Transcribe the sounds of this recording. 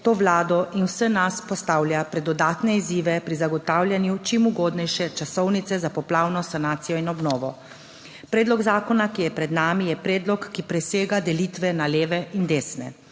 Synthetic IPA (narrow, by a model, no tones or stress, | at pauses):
t̪oːʋlaːd̪ɔʔinwsənaspɔst̪aːwlʲjapɾɛd̪ɔd̪aːt̪nɛiziːʋɛpɾizaɡɔt̪aːwlʲjanjut͡ʃimuɡoːd̪nɛjʃɛt͡ʃasɔwnit̪sɛzapɔplaːwnɔsanaːt̪sijɔinɔbnɔːʋɔ | pɾeːd̪lɔɡzaːkɔnakijɛpɾɛd̪naːmijɛpɾeːd̪lɔkːipɾɛseːɡad̪ɛliːt̪ʋɛnaleːʋɛind̪eːsnɛ̰